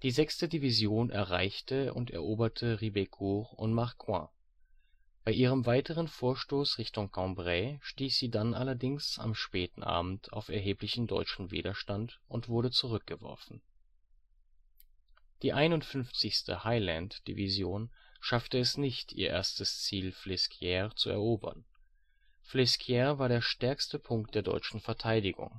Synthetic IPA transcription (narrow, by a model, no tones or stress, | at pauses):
d̥iːzɛkstədivizjoːnʔɛ̰ɐʁa̰ɪçtəʊ̰ntɛ̰ɐʔoːbɐtʰəʁibekʰuːʁʊ̰ntmaɐkʰwã̰ː | b̥aɪʔiːʁ̞əmvaɪtʰəʁ̞ənfoːɐʃtoːsʁɪçtʊŋkʰɑ̃bʁɛʃtiːçz̥iːdanʔa̰lɐdɪŋsa̰mʃpɛːtn̩ʔa̰ːbm̩tʰa̰ʊfɛɐɦeːplɪçn̩dɔ̰ʏt͡ʃn̩vḭːdɐʃtantʊntv̥ʊɐɾət͡suʁ̞ʏk̚ɡ̥əvɔ̰ɐfn̩ | d̥iːʔaɪnʊntfʏnft͡sɪçstə̰haɪlɛntd̥ḭvizjoːnʃaftəɛsnɪçtḭːɐʔḛːɐstəst͡siːlflɪskʰjɛːʁt͡suɛ̰ɐʔoːbɐ̰n | flɪskʰjɛːɐvaːɐɾeːɐʃtɛɐkstəpʰʊŋkt̚d̥eːɐdɔ̰ʏt͡ʃn̩fɛɐtʰaɪdɪɡʊ̰ŋ